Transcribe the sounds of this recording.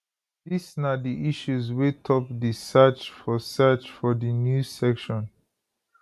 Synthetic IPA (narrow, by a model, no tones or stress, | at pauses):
disnadiʔiʃuzwitʰɔp̚disɛt͡ʃfɔsɛt͡ʃfɔdinjusɛkʃɔ̃n